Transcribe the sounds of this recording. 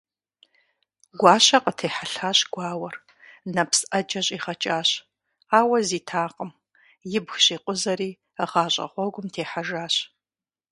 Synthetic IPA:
ɡʷɑːɕɐqʼətʰeːħaɬaːɕɡ̥ʷaːwɐr | nɐpsʔɐd͡ʒɐɕʼiːχɐt͡ʃʼaːɕ | aːwɐziːtʰaːqʼəm | jɪbxɕiːqʷʼʊzɐɾiː | əʁaːɕʼɐ̰χʷɔɡʷʊmtʰeːħaʒaːɕ

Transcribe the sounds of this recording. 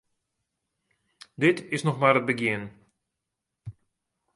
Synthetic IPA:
dɪtɪsnɔxmaːrət̚bəɡjɪən

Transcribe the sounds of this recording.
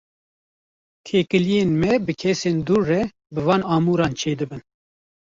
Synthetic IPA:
t̪ʰeːkɨlijeːnmɛbɨkʰɛseːnd̪uːrːɛ | bɨvɑːnɑːmuːɾɑːnt͡ʃʰeːd̪ɨbɨn

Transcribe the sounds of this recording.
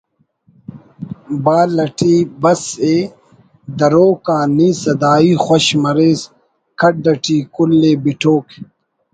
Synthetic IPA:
baːlɐʈiːbɐseː | d̪ɐɾoːkaːniːsɐd̪aːiːxwɐɕmɐɾeːs | kʰɐʈ̚ɖɐʈiːkulːeːbiʈʰoːk

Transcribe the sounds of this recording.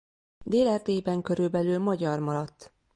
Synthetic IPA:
d̪eːlɛrd̪eːjbɛŋkø̞ɾylbɛlylmɒɟɒrmɒɾɒt̪ː

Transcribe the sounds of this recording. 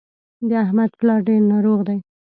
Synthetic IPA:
d̪əahmad̪plɑɾɖeɾnɑɾoɣd̪aj

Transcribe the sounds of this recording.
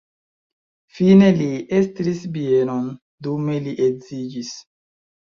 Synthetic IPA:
fine̞liestɾisbienon | dume̞liʔekzid͡ʒis

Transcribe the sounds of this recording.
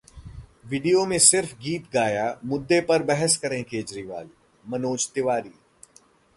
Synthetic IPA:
ʋɪɖijomẽsɪɾfɡiːt̪ɡaːjamʊd̪ːepɐɾbɛɦɛskɐɾẽkeːd͡ʒɾiːʋa̰ːl | mɐnoːd͡ʒt̪ɪʋaːɾiː

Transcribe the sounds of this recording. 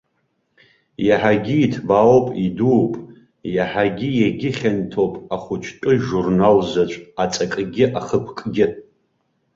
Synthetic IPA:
jaħaɡʲiːtʰbaopʼiduːpʼ | jaħaɡʲɪjaɡʲɪχʲantʰowpʼaχʷʊt͡ʃʷʰtʼɨʒurnalzat͡ʃʷʼat͡sʼakʼɡʲɪʔaχəpʰkʼɡʲɪ

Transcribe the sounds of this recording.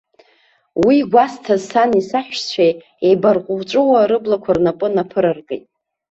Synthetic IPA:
wiɡʷastʰazsanisaħᶣʷt͡ɕʷʰej | ejbarqʷʼʊvt͡ʃʷʼʊwaɾɨblakʷʰarnapʼɨnapʰɨɾarɡejtʼ

